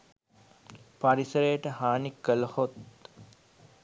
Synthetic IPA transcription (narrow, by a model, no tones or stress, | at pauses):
paɾisəɾejəʈəhaːnikːələhot̪